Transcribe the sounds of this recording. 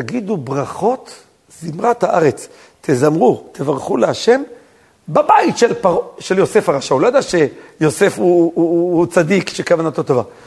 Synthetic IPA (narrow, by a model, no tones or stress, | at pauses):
taɡid̪ubʁaχo̞t̪ | zimʁat̪haʔaʁet͡s | t̪ʰezamʁut̪ʰevaʁχuleaʃe̞m | babait̪ʃelpaʁoʃeljose̞faʁaʃaulojad̪aʃejo̞se̞fuut͡sad̪ikʃekavanat̪ot̪ova